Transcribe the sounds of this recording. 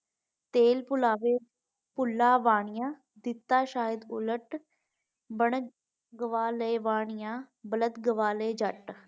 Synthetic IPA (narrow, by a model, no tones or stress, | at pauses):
t̪eːlpʊlaːʋeː | pʊlːaːʋaːɳ̃ɪjãː | d̪ɪt̪ːaːʃaːjəd̪ʊləʈ | bəɳ | ɡəʋaːləːʋaːɳɪjãːbələt̪ɡəʋaːleːd͡ʒəʈ